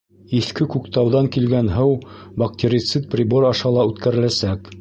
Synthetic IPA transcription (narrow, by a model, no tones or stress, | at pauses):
iθkɘkʉkt̪ɑwðɑŋkilɡænɦɤwbɑk̚t̪ʲeɾʲit̪sɨt̪̚prʲiboɾɑʃɑlˠɑʉt̪kæɾɘ̆læsæk